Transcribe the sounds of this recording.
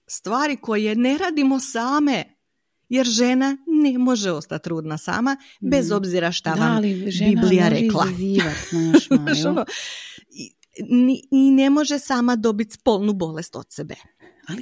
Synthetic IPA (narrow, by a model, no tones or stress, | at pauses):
st̪ʋaːɾiko̞je̞ne̞ɾaːd̪imo̞saːme̞ | je̞ɾʒe̞nane̞mo̞ʒeo̞st̪at̪ːɾuːd̪nasa̰ːma | be̞zo̞bziɾaʃt̪aʋamibiblijaɾeklˠaziʋat̪naaʃono | i | niine̞mo̞ʒesaːmad̪o̞bit̪spolˠnubo̞le̞st̪o̞̰t̪sebḛ | a